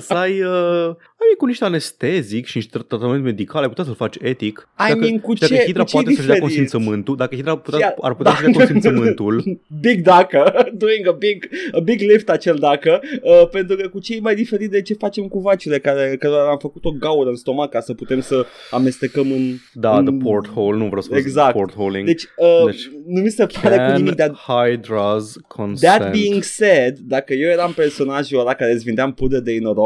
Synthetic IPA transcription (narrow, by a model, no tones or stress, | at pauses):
sajə | ajmiŋkuniʃt̪ane̞st̪ezikʃiniʃt̪t̪ɾat̪ame̞nt̪me̞d̪ikalajput̪ʲasəlfat͡ʃe̞t̪ik | ajd̪akiŋkud̪at͡ʃeid̪ɾapt͡ʃpwatj̪eisəʃd̪aeɾkoniinsəmɨnt̪uld̪akəhid̪ɾaput̪a̰rput̪asəʃd̪knfinəmmɨnt̪ulbiɡd̪akəd̪uiŋɡəbiɡəbiɡlift̪at͡ʃeld̪akəəpe̞nt̪ɾukəkut͡ʃe̞jmajd̪ife̞ɾit̪d̪e̞t͡ʃe̞fat͡ʃe̞mkuvat͡ʃuɾe̞kaɾe̞kəɾoɾaamfəkut̪o̞ɡauɾəɨnst̪o̞makasəput̪e̞msə | ame̞st̪e̞kəmɨnd̪anəpʰoɾt̪howlnuvɾḛseɡzaktp̪oɾholḭŋd̪e̞t͡ʃʲənumisepaɾekunninikd̪at̪hajd̪ɾaz | kʰõnd̪æt̪biːiŋɡsed̪ːakəje̞wje̞ɾampe̞rso̞naʒoɾakaɾesʲvind̪eampud̪əd̪einoɾo